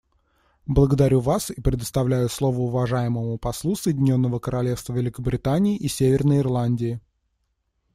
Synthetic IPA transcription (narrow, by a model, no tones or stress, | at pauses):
blˠəɡəd̪ɐɾʲuvasipɾʲɪd̪əst̪ɐvlʲæjʊslˠo̞vəʊvɐʐajɪməmʊpɐslˠusɨjɪdʲɪnʲo̞nːəvəkəɾʔɐlʲe̞fst̪vəvʲɪlʲɪkəbɾʲɪt̪anʲɪːʔisʲevʲɪrnəjɪrlˠanʲdʲɪː